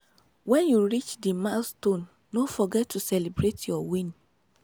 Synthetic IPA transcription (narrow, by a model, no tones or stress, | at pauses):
wɛ̃njuɹit͡ʃdimastõnː | ofɔɡɛtʰːusɛlibɹetjɔwĩn